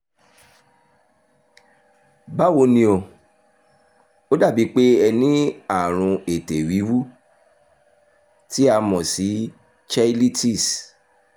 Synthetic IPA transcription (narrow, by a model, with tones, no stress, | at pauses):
ba˦wo˧˦nĩ˧o˧ | o˦da˦˨bi˨˦k͡pe˦ɛ˧nĩ˦a˦˨ɾ̃ũ˧e˨te˨wi˨˦wu˦ | ti˦a˧mɔ̃˨si˨˦ | t͡ʃa˦li˦ti˦˨s